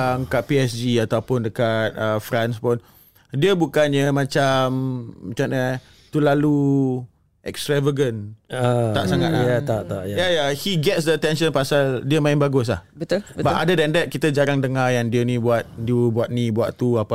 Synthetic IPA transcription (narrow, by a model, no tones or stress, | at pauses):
aəŋkaʔ̚piɛsd͡ʒiat̪awpʊndəkat̪̚əfɾanspʊn | diəbukanɲəmãt͡ʃammat͡ʃanə | t̪ulalu | ʔɛ̰kst̪ɾavəɡənət̪aʔsaŋa̰t̪̚laaaʔt̪aʔjajajahiɡɛtsdət̪ɛnʃə̃npasaldiəmãɪ̃nbaɡʊs̬lahbəbbaʔadədɛndɛt̪̚kit̪əd͡ʒaɾaŋdəŋajaŋdiənĩbuat̪̚diəbuat̪̚nibuat̪t̪uapa